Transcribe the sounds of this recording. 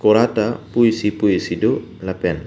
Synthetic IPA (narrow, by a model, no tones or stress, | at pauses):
koɾat̪apuisipuisidolapɛn